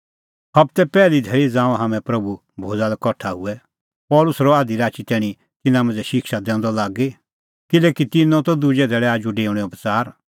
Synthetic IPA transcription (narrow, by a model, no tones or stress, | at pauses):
hɐb̚t̪ɛpɛːlid̪ʱɛːɭid͡zãːãɦɐmɛ̃pɾɐbu | bʱoːd͡zalɛkɔʈʰaɦʊɛ | pɔːlʊsɾɔaːd̪iɾaːt͡ʃit̪ɛːɽ̃ĩ | t̪ɪnãmɐ̃nd͡zɛʃɪkʰʃad̪ɛ̃ːʊ̃nd̪ɔlaːɡe | kɪleːkit̪ɪnɔ̃t̪ɔd̪ʊd͡ʒɛd̪ʱɛːɭɛaːd͡ʒuɖeːʊɽ̃ɛʊpət͡saːɾ